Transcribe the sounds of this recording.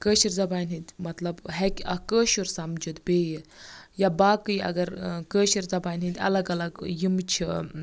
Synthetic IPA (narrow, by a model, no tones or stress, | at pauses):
kəːʃiɾzɐbaːnɦit̪ʲmɐt̪lɐbɦɛkʲɐ̰kəːʃuɾsɐmd͡ʒud̪beːjijabaːkɨjɐ̰ɡɐɾkəːʃiɾzɐbaːnɦit̪ʲɐ̰lɐɡɐlɐɡjimt͡ʃʰi